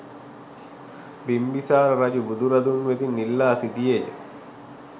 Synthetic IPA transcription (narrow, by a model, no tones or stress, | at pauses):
bimbisaːɾɐɾɐd͡ʒubud̪uɾɐd̪unʋet̪inːilːaːsid̪ijej̰